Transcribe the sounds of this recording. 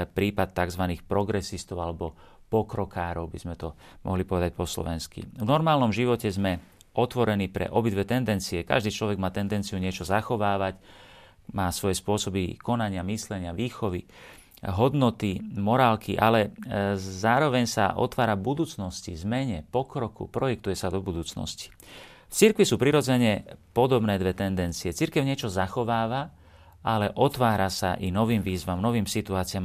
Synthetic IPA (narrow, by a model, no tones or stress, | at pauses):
pɾiːpat̪ːaɡzʋaniːxpɾɔɡɾɛsist̪ɔʊalɛbɔ | pɔkɾɔkaːɾɔʊbizmɛt̪ɔ | mʔɔ̰ɦlipɔʋɛd̪ac̚pɔslɔ̰ʋɛnskḭvnɔɾmaːlnɔmʒiʋɔcɛzmɛ | ɔt̪ʋɔɾɛniːpɾɛ̰ʔɔbid̪ʋɛt̪ɛnd̪ɛnt͡siɛka̰ʒd̪iːt͡ʃlɔʋɛɡmaːt̪ɛnd̪ɛnt͡siuɲɪɛt͡ʃɔzaxɔʋaːʋac | maːsʋɔjɛspʊɔsɔbikɔnaɲɪamislɛɲɪaʋiːxɔʋi | ɦɔd̪nɔt̪imɔɾaːlkiʔa̰lɛ | zaːɾɔʋɛɲsa̰ʔɔ̰t̪ʋaːɾabud̪uːt͡snɔscizmɛɲɛpɔkɾɔkṵpɾɔjɛk̚t̪ujɛsad̪ɔbud̪uːt͡snɔ̰sci̥ | ft͡siɾkʋisuːpɾiɾɔd͡zɛɲɛpɔd̪ɔbnɛːd̪ʋɛt̪ɛnd̪ɛnt͡siɛt͡siɾkɛʊɲɪɛt͡ʃɔzaxɔʋaːʋa | ʔalɛʔɔt̪ʋaːɾasaʔinɔʋiːmʋiːzʋamnɔʋiːmsit̪uaːt͡siɪam